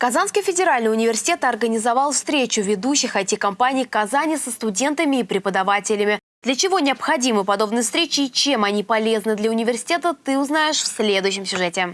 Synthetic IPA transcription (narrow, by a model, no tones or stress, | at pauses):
kɐzanskəjfʲɪdʲɪɾalʲnəjʊnʲɪvʲɪrsʲɪ̥tʲe̞t̪əɐrɡənʲɪzɐvɑlˠfst̪ɾʲet͡ɕʊvʲɪd̪uɕːɪxɐjtʲɪkɐmpanʲɪjkɐzanʲɪjsəst̪ʊdʲe̞nt̪əmʲɪːpɾʲɪpəd̪ɐvatʲɪlʲɪmʲɪ | d̪lʲət͡ɕɪvo̞nʲɪɐpxɐdʲimɨpɐd̪o̞bnɨjfst̪ɾʲet͡ɕɪːt͡ɕe̞mɐnʲipɐlʲe̞znɨd̪lʲəʊnʲɪvʲɪrsʲɪ̥tʲe̞t̪ət̪ɨʊznajɪʂfsʲlʲe̞d̪ʊjɕ̬ːɪmsʲʊʐɛtʲɪ